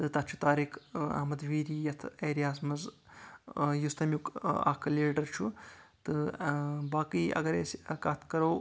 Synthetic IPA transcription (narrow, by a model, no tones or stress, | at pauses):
t̪ɨt̪ɐt̪t͡ʃʰu̥t̪aːɾikʰɐ̰ːmɐd̪ʋiːɾiːjɐt̪ʰeːɾijaːsmɐz | just̪ɐmjuka̰ːkʰleːɖɐɾt͡ʃʰut̪ɨ | baːkiɐ̰ɡɐɾeːsʲkaːt̪ʰkɐɾɐw